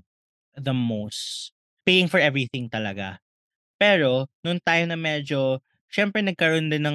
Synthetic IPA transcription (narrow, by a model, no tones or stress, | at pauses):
ðɐmos | pejɪŋfɔɹʔɛvɹiθɪ̃ŋt̪ɐlɐɡa̰ | pɛɾo̞nʊŋt̪ajmnɐmɛd͡ʒo̞ | ʃɛmpɹɛnɐɡ̚kɐɾond̪ɪnɐŋ